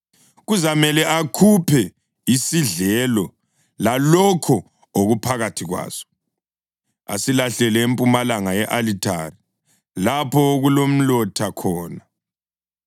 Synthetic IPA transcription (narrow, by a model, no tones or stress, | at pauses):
ɣuzamɛlɛʔakʰupʰɛ | isiɮɛlɔ | lalɔkʰɔ | oɣupʰaɣatʰiɣwa̰ːsɔ̥ | a̰silaɬɛlɛempʼumalaŋajɛʔalitʰa̰ri | lapʰɔɣulom̩lɔtʰakʰɔːna